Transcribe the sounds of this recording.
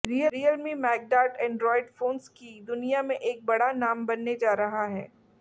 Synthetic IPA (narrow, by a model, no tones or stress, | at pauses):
ɾijəɾijəlmimɛːɡ̚ɖaːʈɛ̃ːɳɖɾɔːɪɖfoːnskid̪ʊnijamẽʔeːk̚bɐɽanaːmbɐnːed͡ʒaːɾɐɦaɦɛː